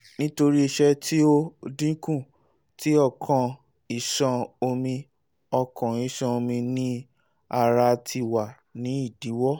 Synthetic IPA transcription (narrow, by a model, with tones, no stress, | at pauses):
nĩ˦to˧ɾi˦i˧ʃɛ˦˧ti˦o˦dĩ˦kũ˦˨ | ti˦ɔ˧˨kʰɔ̃˧ | i˨ʃã˧o˧mĩ˧ | ɔ˧kʰɔ̃˨i˨˦ʃã˧o˧mĩ˧nĩ˦ | a˧ɾa˧tʰi˧˨wa˨ | nĩ˨˦i˦˨di˨˦wɔ˦